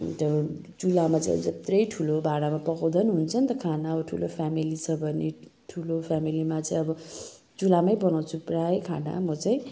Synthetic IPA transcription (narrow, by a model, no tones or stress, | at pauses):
t̪ʌ | d͡zulamat͡sãʌ̰bd͡zʌt̪rʌjʈʰulobʱaɽamapʌkawd̪ʱʌnɦunt͡sʰʌnt̪ʌkʰanaʌbʌʈʰulopʰamilit͡sʰʌbʱʌnːḛʈʰulopʰamilimat͡sʌĩʌbʌ | d͡zulamʌjbʌnaw̃t͡sʰuprajkʰana̰mʌt͡saj̃